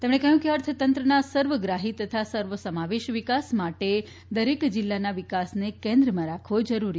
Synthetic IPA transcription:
t̪emɳ̃ekəɦjũkeəɾt̪ʰət̪ənt̪ɾənasəɾʋəɡɾaɦit̪ət̪ʰasəɾʋəsəmaʋeʃʋikasmaʈe | d̪əɾekd͡ʒilːanaʋikasnekẽnd̪ɾəmãɾakʰʋod͡ʒəɾuɾi

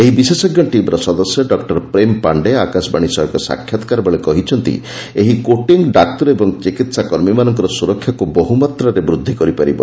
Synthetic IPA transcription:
eɦibisesɔɡjɔʈimɾɔsɔd̪ɔsjɔɖɔkʈɔɾpɾempaɳɖeakasbaɽ̃isɔɦɔkɔsa̰kʰjɔt̪ɔ̥kaɾbɔɭekɔɦit͡ʃʰɔnt̪ḭ | eɦikoʈiŋɡɖak̚t̪ɔɾebɔŋt͡ʃikit̪sakɔɾmimanɔŋkɔɾɔsuɾɔkʰːjakubɔɦumat̪ɾɔɾebɾud̪ʱːikɔɾipaɾibɔ̰

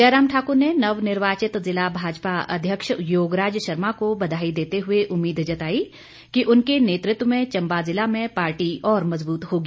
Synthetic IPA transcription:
d͡ʒɛːɾaːmʈʰaːkʊɾnenɐʋnɪɾʋaːt͡ʃɪt̪zɪlabʱaːd͡ʒpaɐ̰d̪ʱjəkʃjoːɡɾaːd͡ʒjəʃɐɾmakobɐd̪ʱaːid̪eːt̪eɦʊeʔʊmːiːd̪d͡ʒɐt̪aːi | kiʔʊnkeneːt̪ɾɪt̪wmẽt͡ʃɐ̃mbazɪlamẽpaːɾʈiʔɔːɾmɐzbuːt̪ɦoːɡiː

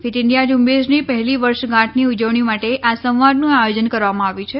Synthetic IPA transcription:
fit̪ɪɳɖijad͡ʒumbesnipəɦliʋəɾʃɡãʈʰniud͡ʒəʋɳ̃imaʈeʔasə̃w̃ʋad̪nũajod͡ʒənkəɾʋamãaʋjũt͡ʃʰe

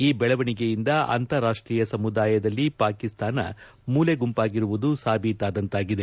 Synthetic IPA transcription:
iːbɛɭɐʋɐɳiɡejind̪ɐɐ̰nt̪ɐɾaːʂʈɾiːjɐsɐmud̪aːjɐd̪ɐlːipaːkist̪aːnɐ̰ | muːleɡumpaːɡiɾuʋud̪usaːbiːt̪aːd̪ɐnt̪aːɡid̪e̞

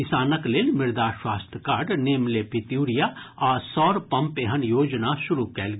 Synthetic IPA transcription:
ɪsaːnəkleːlmɪɾd̪aːʃwaːst̪ʰkaːɾɖneːmlepɪt̪uːɾijaɔːɾsɔːɾpɐ̃mpeɦənjoːd͡ʒnaʃʊɾukɛːlɡ

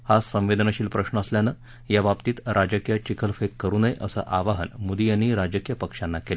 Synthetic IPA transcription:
hasə̃m̃ʋed̪ənəɕiːlpɾəʂnəəsljanəː | jaʋapt̪iːt̪ɾʔad͡ʑəkjət͡ɕikʰəlfekːəɾuːnəjʔəsə̰ʔaʋaɦənmud̪ijanːiːɾad͡ʑəkjəpəkʂanːakele

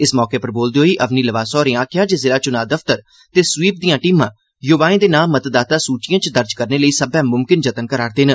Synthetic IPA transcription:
ɪsmɔːkeːpəɾboːld̪eːɦoːiːʔəʋniːləʋaːsɔːɾẽːãːkʰjaːd͡ʒeːzɪlaːt͡ʃʊnaːd̪əft̪əɾ | t̪eːsʋiːp̚d̪ijãːʈiːmãː | joːbaːẽːd̪eːnaːmmːət̪d̪aːt̪aːsuːt͡ʃɪjãːt͡ʃd̪əɾd͡ʒkəɾneːləiːsəbɛ̃ːmʊmkɪnd͡ʒət̪ənkəɾaːɾd̪eːnə

